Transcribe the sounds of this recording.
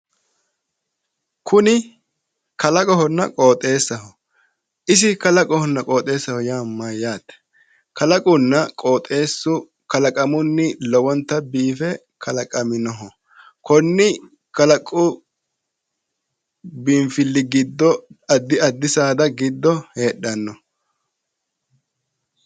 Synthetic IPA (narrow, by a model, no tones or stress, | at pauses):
kʰʊnɪ | kɐlɐkʼɔɦɔnːɐ̰kʼoːt̪ʼːe̞ːsːɐɦɔ | ʔɪsɪkɐlɐkʼɔhɔnːɐkʼo̞ːt̪ʼe̞ːsːɐhɔjaːmːɐjaːt̪ɛ̥ | kɐlɐkʼʊnːɐkʼo̞ːt̪ʼe̞ːsːʊ | kɐlɐkʼɐmʊnːɪlɔwɔnt̪ːɐbiːfɛ | kʰɐlɐkʼɐmɪnɔɦɔ | kɔnːɪ | kɐlɐkʼːʊ | bɪmfɪlːɪɡɪd̪ːɔɐd̪ːɪɐd̪ːɪsaːd̪ɐɡɪd̪ːɔhe̞ːɗɐnːɔ